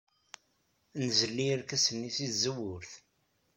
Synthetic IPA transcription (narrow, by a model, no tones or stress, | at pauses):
nzəlːiɾkæsənːisizəwːʊɾθ